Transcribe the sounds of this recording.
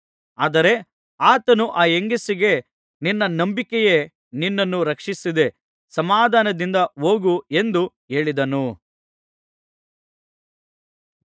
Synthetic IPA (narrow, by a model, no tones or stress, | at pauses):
aːd̪ɐɾe̞ | aːt̪ɐnuʔaːeŋɡisiɡe̞ | ninːɐnɐmbikeje | ninːɐnːuɾɐkʂisid̪e̞ | sɐmaːd̪ʱaːnɐd̪ind̪ɐoːɡue̞nd̪u | e̞ːɭid̪ɐnu